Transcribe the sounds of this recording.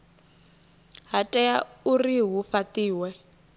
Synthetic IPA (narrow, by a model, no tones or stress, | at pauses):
ɦatʼɛjauriɦufatiːwɛ